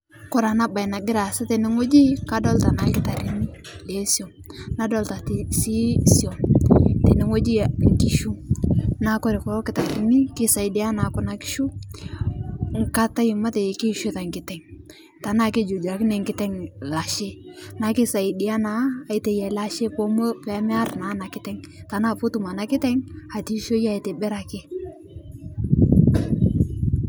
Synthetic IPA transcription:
kɔ˦˨ɾa˨na˦ba˨jna˨ɡɪ˦ɾa˨sa˦tɛ˨nɛ˨ŋo˦d͡ʒi˦ka˦dɔ˦lta˨na˨kɪ˦ta˨ɾi˨ni˦ | le˦sjɔ˨ | na˦dɔ˦˨lta˨ti˨si˦sjɔ˨tɛ˨nɪ˨ŋo˦d͡ʒi˦ŋ˨ki˨ʃu˦na˨˦kɔ˦ɾe˨kɔ˨ɾɔ˦kɪ˦ta˨ɾi˦ni˦kɪ˦sa˨i˨dɪ˦a˦na˨˦kʊ˦na˨kɪ̥˦ʃu˦ | ŋ̩˨ka˦ta˦ji˨ma˦te˨ki˦ʃo˦ta˨ŋkɪ˨tɛ˨ŋ | ta˨na˦˨ke˦d͡ʒu˨d͡ʒa˨kɪ˦nɛ˨ŋkɪ˦tɛ˦ŋla˨ʃe˦na˨kɪ˦sa˨i˨dɪ˨a˦naː˨˦˨i˦te˨jɛ˨la˦ʃe˦po˦mo˦pɛ˨˦mɛ˦a˦rna˨˦na˨kɪ˦tɛ˦ŋta˨na˦˨po˦tu˨ma˨na˦kɪ˦tɛ˦ŋa˨ti˦ʃo˦ja˦˨i˨te˨bɛ˦ɾa˨kɪ˦

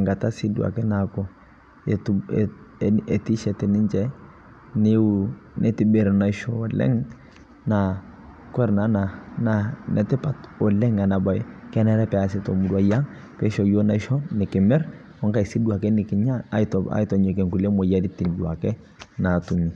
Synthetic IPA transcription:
ŋɡa˨ta˦si˦du˨a̰˨kɛ˦na˨kɔ˦ | ɛ˨t | ɛ˨ti˦ʃɛ˨tɛ˨nɪ˦nd͡ʒɛ˦ | nɪ˦nʔɛ˦ti˦be˨ɾna˨i˦ʃɔ˦˨lɛ̰˦ŋ | na˨ | kwɛ˦ɾna˦na˨na˨nɛ˨tɛ˦pa˨tɔ˨lɛ˦ŋa˨na˨ba˨jkɛ˦nɛ˦ɾɛ˦pɛ˨a˨si˦tɔ˨mu˦du˦a˨ja˦ŋ | pɛ˦ʃɔ˨jo˦na˦ʃɔ˦nɪ˨kɪ˨mɛ˦ɾ | ɔ˦ŋka˦˨i˨si˦dua˨kɛ˦nɪ˨kɪ˨ɲa˦a̰˦ta̰˦i˦tɔ˨ɲɔ˨k̬ɛ˨ŋku˨le˦mɔ˨ja˦di˦tːi˨ndu˨a˨kɛ˦ | na˨tu˨ɲi˨

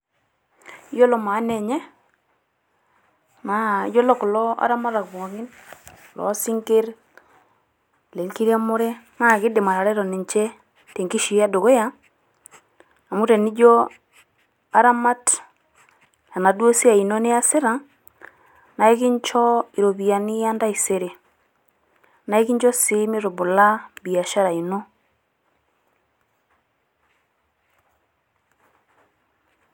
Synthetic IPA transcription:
jɔ˦lɔ˨ma˨˦nɛ˨ɲɛ˦ | ma̰˨˦d͡ʒɔ˦lɔ˦kʊ˨lɔ˦a̰˦ɾa˦ma˦ɾa˨kɔ˨ɣɪ˦n˨lɔ̰˨˦si˦ŋke˦ɾ | le˨ŋki˦ɾa˦mo˦ɾe˦ | ŋa˦˨kɪ˦dɪ˨ma˨ɾa˨ɾɛ˦ɾɔ˨ni˨ɲt͡ʃe˦ | te˨ŋki˦ʃi˨a˦do˨ɣo˦ja˦ | a˨mu˦ɾe˨ni˦d͡ʒo˦ | a˦ɾa˦ma˦t | ja˨na˨do˦si˦a˨i˨nɔ˦ne˦a˦se˦ɾa˨ | na˨e˦ki˦ɲt͡ʃɔ˦i˨ɾo˨βi˨a˨ni˦a˦nda˦i˨se˨ɾe˨ | na˨e˦ki˦ɲd͡ʒɔ˦si˦mi˦ɾo˨βu˨la˦bi˨a˨ʃa˦ɾa˨i˨no˦

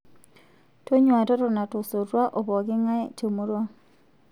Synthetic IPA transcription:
to˦ɲwa˨tɔ˦ɾɔ˨na˨to˨so˨ɾwa˦ʔo˨bɔ˨ɡɪ˦ŋa˦ɛ˦t͡ʃo˨mo˦ɾwa˦

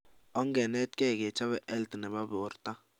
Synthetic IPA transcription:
ɔ˦ŋɡɛ˨nɛ˦t̚kɛ˦˨ɡe˨t͡ʃa˦βɛ˨ʔɛ˦ltnɛ˨ba˦bo˨ɾt̪a˦

